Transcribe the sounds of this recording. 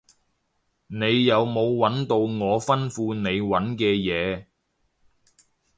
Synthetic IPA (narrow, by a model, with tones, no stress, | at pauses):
ne˨˧jːɐ˨˧wmo˨˧wːɐ˨˥nt̪o˧wŋɔː˨˧fɐ˥nfuː˧ne˨˧jwɐ˨˥nkɛː˧jɛː˨˧